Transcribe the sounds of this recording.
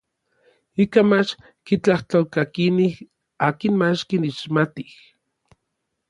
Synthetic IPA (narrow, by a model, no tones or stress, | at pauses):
ikamat͡ʃ | kit͡ɬaht̪olkakinih | aːkinmat͡ʃkiniʃmat̪ih